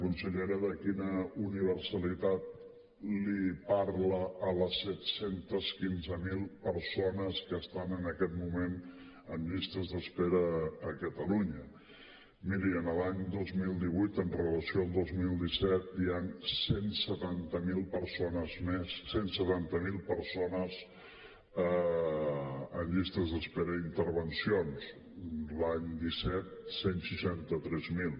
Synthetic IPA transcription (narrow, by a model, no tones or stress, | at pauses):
kunsəʎeɾəðəkinəuniβ̞əɾsəlit̪at̪̚ | lipaɾləːləsːɛt̪sent̪əskinzəmilˠpəɾsonəskəst̪anənəkɛt̪mumen | əminist̪ɾəzðəspɛɾəːkət̪əluɲə | miɾiənəlaɲd̪ozmilˠd̪iβ̞ujt̪ənrələsioəlˠd̪ozmilˠd̪isɛt̪̚iansensət̪ant̪əmilˠpəɾsonəzmesːensət̪ant̪əmilˠpəɾsonəz | ə | ənʎist̪ɾəzðəspɛɾəint̪əɾβənsions | laɲd̪isɛt̪̚senʃiʃant̪ət̪ɾɛzmilˠ